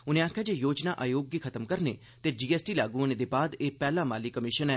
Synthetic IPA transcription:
ʊnẽːaːkʰjaːd͡ʒeːjoːd͡ʒnaːʔaːjoːɡiːkʰət̪əmkəɾnḛː | t̪eːd͡ʒiːɛːsʈiːlaːɡũəneːd̪eːbaːd̪eːpɛːlaːmaːlɪkːəmɪʃənɛː

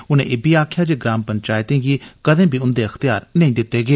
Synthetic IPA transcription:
ʊnḛ̃ːʔɪbiːaːkʰjaːd͡ʒeɡɾaːmpəɲt͡ʃaːjt̪ẽːɡiːkəd̪ẽːbʱiːʊnd̪eːəxt̪ɪjaːɾnəĩːd̪ɪt̪ːeːɡeː

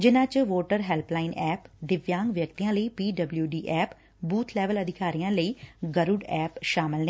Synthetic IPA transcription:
d͡ʒɪnãːt͡ʃʋoːʈəɾɦɛːlplaːɪnɛːpd̪ɪʋjaːŋɡʋjək̚t̪ijãːləiːpiːɖəbljuːɖiːʔɛːp | buːt̪ʰlɛːʋələd̪ʱɪkaːɾijãːləiːɡəɾʊɖɛːpʃaːmɪlneː

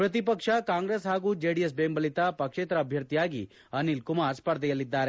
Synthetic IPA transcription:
pɾɐt̪̬ipɐkʂɐkaːŋɡɾeːsɦaːɡuːd͡ʒeːɖijesbeːmbɐlit̪apɐkʂeːt̪ɾɐːbʱjɐɾt̪ijaːɡḭ | ɐnilkumaːɾspɐɾd̪ɛjɐlid̪ːaːɾe̞

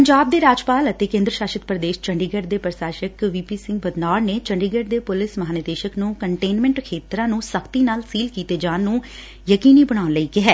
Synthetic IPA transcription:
pəɲd͡ʒaːb̚d̪eːɾaːd͡ʒpaːlət̪eːkẽːnd̪ɾəʃaːʃət̪̚pɾəd̪eːʃt͡ʃəɳɖiːɡəɖd̪eːpɾsaːʃəkʋiːpiːsɪ̃ŋɡbəd̪naːɾneːt͡ʃəɳɖiːɡəɖd̪eːpʊlɪsməɦaːnɪd̪eːʃəknũːkəɳʈeːnmɛ̃ːɳʈkʰeːt̪ɾãːnũːsəkʰt̪iːnaːlsiːlkiːt̪eːd͡ʒãːnːũː | jəkiːniːbəɽ̃aːʊnləiːkɪɦɛː

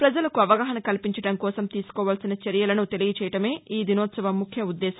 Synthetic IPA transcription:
pɾɐd͡ʒɐlɐkuɐʋɐɡaːɦɐnɐkɐlpiɲt͡ʃɐɽɐmkɔːsɐmt̪iːsu̥kɔːʋaːlsinɐt͡ʃɐɾjɐlɐnut̪e̞liɡɐt͡ʃɛːjɐʈɐme̞ːiːd̪inɔːt̪sɐʋɐmːukʰjɐud̪ːɛːsɐ̥

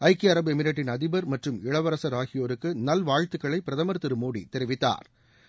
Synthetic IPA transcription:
ɐɪkːɪɐɾɐbɯɛmɪɾɐʈ̬ːɪnɐðɪbɐɾmɐʈrɯmɪɭɐʋɐɾɐsɐɾaːɣɪjoːɾɯkːɯnɐlʋaːɻt̪ɯkːɐɭɐɪpɪɾɐðɐmɐɾt̪ɪɾɯmoːɽḭt̪ɛɾɪʋɪt̪ːa̰ːɾ

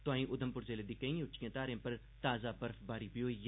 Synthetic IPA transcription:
t̪ʊãːĩːʔʊd̪əmpʊɾzeːled̪ikɐ̃ĩːʊt͡ʃkẽːt̪aːɾẽmpɐɾ | t̪aːzaːpɐɾfbaːɾipɪjoːj

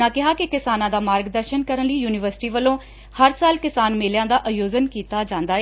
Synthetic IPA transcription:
ãːkɪɦaːkɪkɪsaːnãːd̪aːmaːɾɡd̪əɾʃənkəɾənliːjuːnɪʋəɾsɪ̥ʈiːʋəlːõː | həɾsaːlkɪsaːnmeːljãːd̪aːʔəjoːzənkiːt̪aːd͡ʒãːnd̪aːe

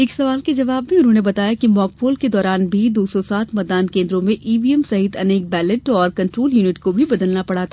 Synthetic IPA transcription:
ɪksɐʋaːlked͡ʒɐʋaːbmẽʊnɦõːnebɐt̪aːjakimɔːkpoːlked̪ɔːɾaːnbʱid̪oːsɔsaːt̪ʰmɐːd̪aːnkẽːnd̪ɾõmẽʔiːʋiːɛmsɐɦɪt̪ʰɐneːk̚bɛːlɪʈɔːɾkɐ̃ɳʈɾoːljuːnɪʈkobʱibɐd̪əlnapɐɽ̤at̪ʰa

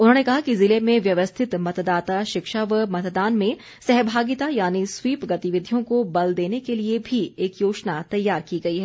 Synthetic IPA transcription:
ʊnɦõːnekɐɦakizɪlemẽʋjɐʋəst̪ʰɪt̪mɐt̪d̪aːt̪aʃɪkʃaʋəmɐt̪d̪aːnmẽ | sɛɦbʱaːɡɪt̪ajaːniswiːpɡɐt̪ɪʋɪd̪ʱjõkobɐld̪eːnekeliebʱieːkjoːt͡ʃnat̪ɐjːaːɾkiɡɐiɦɛː

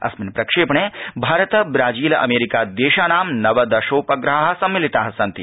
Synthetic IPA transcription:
ɐ̰sminpɾɐkʂeːpɳeːbʱaːɾɐt̪ɐbɾaːd͡ʒiːlɐ̰meːɾikaːd̪eːʃaːnaːmnɐʋɐd̪ɐʃoːpɐɡɾɐɦaɦɐ̆sɐmːilit̪aːɦɐsɐnt̪i

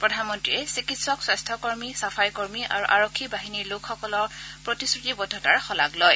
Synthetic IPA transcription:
pɹɔdʱanmɔntɹiɛsikitsɔkswastʰɔkɔɹmisapʰajkɔɹmiʔa̰ɹuʔaɹokʰːibaɦiniɹlʊkʰxɔkɔlɔɹpɹɔtisɹutibɔdʱɔtaɹxɔla̰ɡlɔj

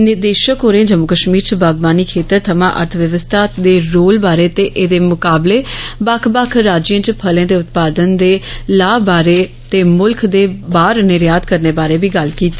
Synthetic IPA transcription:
nɪɾd̪eːʃəkɦoːɾeãːd͡ʒəmʊkəʃmiːɾt͡ʃəbaːɡʋaːniːkʰeːt̪əɾt̪ʰəmã̰ːʔə̰ɾt̪ʰʋjəʋəst̪ʰaːd̪eːɾoːlbaːɾeːt̪eːʔeːd̪eːmʊkaːbleːbakʰbakʰɾaːd͡ʒə̃ːt͡ʃpʰəlẽːd̪eːʊt̪paːd̪ənd̪eːlaːbaːɾeː | t̪eːmʊlkʰd̪eːbaːɾnɪɾjaːd̪kəɾneːbaːɾeːbiːɡəlkiːt̪ːeː

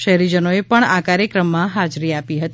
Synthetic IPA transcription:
ʃɛɦɾid͡ʒənoepəɳakaɾjəkɾəmːãɦad͡ʒɾiapiɦət̪i

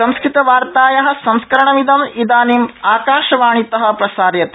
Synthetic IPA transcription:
ɐ̃mskɾit̪ɐʋaːɾt̪aːjɐɦɐ̆sɐmskɐɾɐɳɐmid̪ɐmid̪aːnimaːkaːʃɐʋaːɳit̪ɐɦɐ̆pɾɐsaːɾjɐt̪

